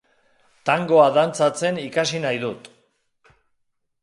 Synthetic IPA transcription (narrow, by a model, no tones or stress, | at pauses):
t̪aŋɡo̞aðant͡sat͡se̞nikasinajðut̪